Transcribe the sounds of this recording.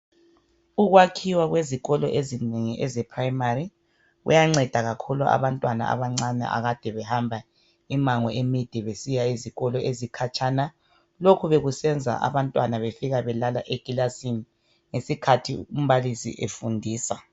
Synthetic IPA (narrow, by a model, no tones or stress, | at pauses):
uɣwakʰiwaɣweziɣɔlɔʔezineŋiʔɛzɛpʰrajimari | ɣṵjaŋ͡ǀɛd̥ʱaɣakʰulua̰βantʼwana̰a̰βaŋ͡ǀanɛ̰ʔa̰ɣad̥ʱɛβɛhambʱa | imaŋɔemid̥ʱɛβesijaiziɣɔlɔʔezikʰat͡ʃʰʼana | lokʰuβeɣusɛnd͡zʱa̰ʔa̰βantʼwanaβefiɣaβɛlalaʔeɡ̥ʱilasini | ŋesikʰatʰium̩βalisḭʔefundʱiːsa